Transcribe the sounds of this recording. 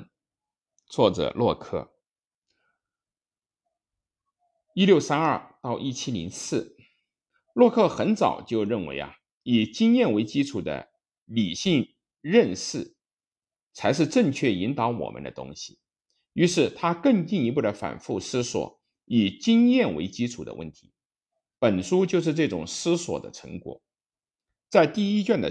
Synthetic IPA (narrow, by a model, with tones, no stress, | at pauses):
t͡swɔ˥˩ʈ͡ʂɤ̰˨˩lwɔ˥˩kʰɤ̰˥˩ | i˥ljo˥˩ʊsa˥nɐ˞˥˩t̪ɑ˥˧ʊʔi˥˩t͡ɕʰi˥li˧˥ŋsɹ̩˥˩ | lwɔ˥˧kʰɤ˥˩xə˧˥nt͡sɑ̰˨˩ʊt͡ɕjo˥˧ʊɻə˥˩nwḛ˧˥ɪɐ̰˧ | i˨˩t͡ɕi˥ŋjɛ˥˩nwe˧˥ɪt͡ɕi˥ʈ͡ʂʰu˨˩d̪ə̰˦ | li˨˩ɕi˥˧ŋ | ɻə˥˧nʂɻ̩˥˩ | t͡sʰa˧˥ɪʂ̬ɻ̩˥˧ʈ͡ʂə˥˧ŋt͡ɕʰɥɛ˥˩i˧˥nt̪ɑ˧˥ʊwɔ̰˨˩mə̰˦nd̪ə̰˧t̪ʊ̰˥ŋɕi˨˩ | y˧˥ʂɻ̩˥˩t̪ʰa˥kɤ˥˧ŋt͡ɕi˥˩ŋi˧˥pu˥˩d̪ə˩fa̰˨˩nfu˥˩sɹ̩˥swɔ̰˨˧˩ | i˨˩t͡ɕi˥ŋjɛ˥˩nwḛ˧˥ɪt͡ɕi˥ʈ͡ʂʰu˨˩d̪ə̰˦wʔə̰˥˩nt̪ʰi˧˥ | pə˨˩nʂu˥t͡ɕjo˥˧ʊʂɻ̩˥˧ʈ͡ʂɤ˥˩ʈ͡ʂʊ̰˨˩ŋsɹ̩˥swɔ̰˨˩d̪ə̰˦ʈ͡ʂʰɤ˧˥ŋkwɔ̰˨˩˦ | t͡sa˥˧ɪt̪i˥˩i˥t͡ɕɛ˥˩nd̪ə̰˨